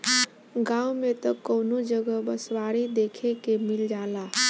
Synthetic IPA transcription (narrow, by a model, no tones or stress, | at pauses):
ɡaːumet̪ɔkəʊnod͡ʒəɡəbəswaːɾid̪eːkʰekemɪld͡ʒaːla